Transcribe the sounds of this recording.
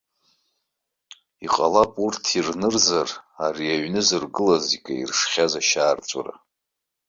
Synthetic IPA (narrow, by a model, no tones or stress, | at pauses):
iqʼalapʼurtʰirnɨrzarariaɥnɨzɨrɡɨlazikʲʼaḭrʂχʲazaʃaːrt͡ʃʷʼa̰ra̰